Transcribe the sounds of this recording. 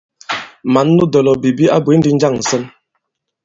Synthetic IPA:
ma˨˦nːu˦dɔ˨lɔ˨bi˨bi˦a̰˦bwe˨˦n̩˦di˦n̩˦d͡ʒa˦˨ŋn̩˨sə˦n

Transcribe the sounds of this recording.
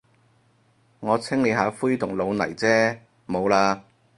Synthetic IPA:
ŋɔː˨˧t͡sʰɪ˥ŋle˨˧ɦaː˨˧fuː˥jt̪ʰʊ˨˩ŋlo˨˧wnɐ̰˨˩jt͡sɛː˥ | mo˨˧wlaː˧

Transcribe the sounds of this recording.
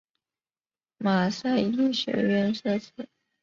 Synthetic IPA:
ma˨˩sa˥˧ɪi˥˩ɕɥɛ̰˧˥ɥɛ˥˧nʂɤ˥˧t͡ɕʰɛ˨˩˦

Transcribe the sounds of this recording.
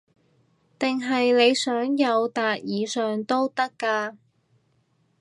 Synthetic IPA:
t̪ɪ˨ŋɦɐ˨jle˨˧jsœː˨˥ŋjɐ˨˧wt̪aː˨t̚jiː˨˧sœː˨ŋt̪o˥wt̪ɐ˥kːaː˧

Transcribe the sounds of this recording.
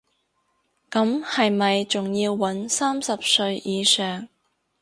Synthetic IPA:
kɐ˨˥mhɐ˨jmɐ˨jt͡sʊ˨ŋjiː˧wːɐ˨˥nsaː˥msɐ˨p̚sɵ˧ɥjiː˨˧sœː˨˩ŋ

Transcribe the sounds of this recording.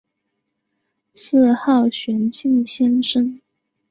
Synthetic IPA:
sɹ̩˥˧xɑ˥˩ʊɕɥɛ˧˥nt͡ɕi˥˩nɕjɛ˥nʂə˥n

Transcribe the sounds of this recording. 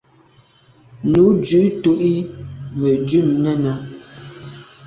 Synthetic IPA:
nu˨˦d͡ʒʉ˨˦to˦ʔi˦mə˨dʉ˦˨mnɛ˦nə˨

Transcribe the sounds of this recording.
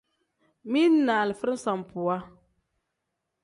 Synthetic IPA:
mi˦nː˦aː˨lɨ˨fɨ˦ɾɨ˦sa˨m˨pu˨a˦

